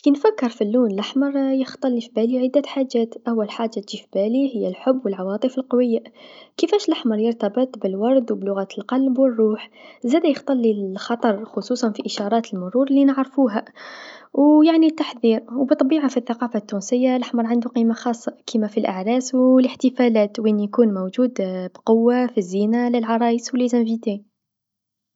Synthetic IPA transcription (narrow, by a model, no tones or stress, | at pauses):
kinfækːəɾˤfilːuːnlaħmɑɾˤjəxt̪ˤɑlːifibæliʕəd̪ːæħad͡ʒːæt̪ʔæwːælħaʒːat̪ʒifibælihəjːælħʊbːwəlʕɑwɑːt̪ˤəfəlqɑwəjːakəfæʃlaħmɑɾˤjəɾt̪ɑbət̪ˤbəlwɑɾˤd̪wblʊɣæːt̪əlqɑlbwərːuːħzæd̪æjəxt̪ˤɑlːixɑt̪ˤɑɾˤxʊsˤuːsˤɑnfiʔəʃɑɾˤɑːt̪əlmʊɾˤuɾlːinəʕɾfuɦæ | wjaʕnit̪ːaħðiɾwbət̪ˤːbiʕafiθːaqɑfat̪ːunsəjːalʔaħmɑɾˤʕand̪uqimaxɑsˤːɑkimæfilʔaʕɾæswləħt̪əfælæt̪winjkunmowʒud̪bqowːafizːinaləlʕɑɾˤɑjəswəlizæmvit̪i